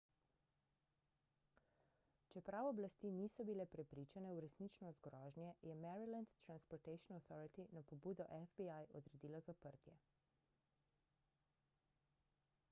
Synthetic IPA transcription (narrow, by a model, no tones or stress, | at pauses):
t͡ʃɛpɾawɔblast̪iːniːsɔbilɛpɾɛpɾiːt͡ʃanɛuɾɛsnit͡ʃnɔst̪̚ɡɾɔːʒnjɛjɛmɛɾilant̪ːɾanspɔɾt̪ɛjʃɔnawθɔɾit̪inapɔbuːd̪ɔʔɛfbiajɔd̪ɾɛd̪iːlɔzapəɾt̪jɛ